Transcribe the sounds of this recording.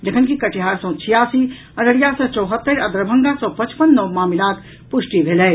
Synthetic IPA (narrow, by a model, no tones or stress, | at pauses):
d͡ʒəkʰənkikəʈiɦaɾsə̃t͡ʃʰijasi | əɾəɽijasə̃t͡ʃɔwɦət̪ːəɾəd̪ɾəbʱəŋɡasə̃pət͡ʃpənːɔmaːmilat̪ | pusʈibʱelɛɪ